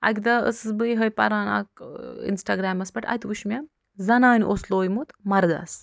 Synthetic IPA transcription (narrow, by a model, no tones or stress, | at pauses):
ɐ̰kʲd̪ɐə̰sɨbɨjɦɐjpɐ̰ɾaːna̰kḭnsʈaːɡɾaːmɐsbɐʈɐ̰t̪uʃmʲɐ | zɐnaːnʲʔoːsloːjmut̪mɐɾd̪ɐ̰s